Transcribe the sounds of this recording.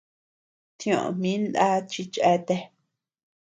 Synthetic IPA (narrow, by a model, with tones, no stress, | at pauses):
t̪jõ˨ʔmĩ˦nd̪a˦t͡ʃi˧t͡ʃe˦t̪e˧